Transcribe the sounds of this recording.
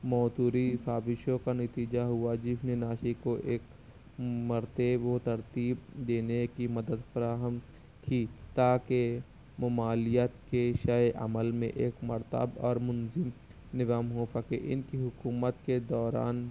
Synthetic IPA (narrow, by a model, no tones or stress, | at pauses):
mɔːt̪uːɾifaːbɪʃõkanɐt̪iːd͡ʒaɦʊad͡ʒɪfnenaːʃikoʔeːk | mɐɾt̪ebot̪ɐɾt̪iːbd̪eːnekimɐd̪əd̪fɐɾaːɦəm | kit̪aːke | mʊmaːlijət̪keʃajʔə̰məlmḛ̃ʔeːkmɐɾt̪ə̰bɔ̰ːɾmʊnzɪm | nɪzaːmɦoːpəkeʔɪ̰nkiɦʊkuːmət̪ked̪ɔːɾa̰ːn